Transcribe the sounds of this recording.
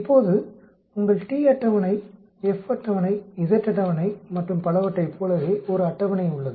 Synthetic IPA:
ɪpːoːðɯ | ʊŋɡɐɭʈiːɐʈːɐʋɐnɐɪ | ɛfɐʈːɐʋɐnɐɪɪðɐʈːɐʈːɐʋɐnɐɪmɐʈrɯmpɐlɐʋɐʈːɐɪpʰːoːɭɐʋeːɔɾɯɐʈːɐʋɐnɐɪʊɭːɐðɯ

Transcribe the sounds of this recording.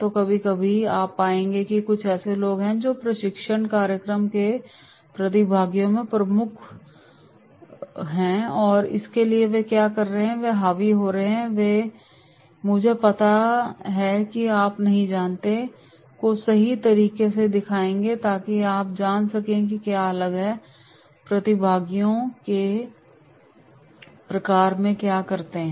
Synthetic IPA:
t̪okɐbʱikɐbʱiaːpaːẽːŋɡekikʊt͡ʃʰɛːseloːɡɦɛ̃d͡ʒoːpɾɐʃɪkʃəɳkaːɾjəkɾəmke | pɾɐt̪̬ɪbʱaːɡjõmẽpɾɐmʊkʰ | ɦɛ̃ːɔːɾɪ̰skelieʋekjaːkɐɾːəɦɛ̃ʋeɦaːʋiɦoːɾɐɦeɦɛ̃ʋe | mʊd͡ʒʱepɐt̪aɦɛkiaːpnɐɦĩd͡ʒaːnt̪e | kosɐɦit̪ɐɾiːkesed̪ɪkʰaːẽːŋɡet̪aːkiaːp̚d͡ʒaːnsɐkẽk̬ikjaːɐləɡɦɛ | pɾɐt̪ɪbʱaːɡijõke | pɾɐkaːɾmẽkjaːkɐɾt̪eɦɛ̃

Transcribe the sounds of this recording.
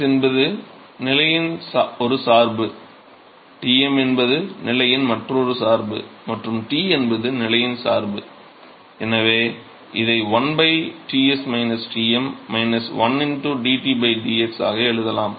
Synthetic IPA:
ɛnbɐðɯ | nɪlɐjɪnsaɔɾɯsaːɾbɯ | ʈiːɛmɛnbɐðɯnɪlɐjɪnmɐʈrɯmɔɾɯsaːɾbɯ̰mɐʈrɯmʈiːɛnbɐðɯnɪlɐjɪnsaːɾbɯ | ɛnɐʋeː | ʔɪðɐɪʋɐnbɐɪʈiːɛsmɐɪnɐsʈiːɛmːɐɪnɐsʋɐnɪnʈɯɖiːʈiːbɐɪɖiɛksa̰ːɣɐɛɻɯðɐlaːm

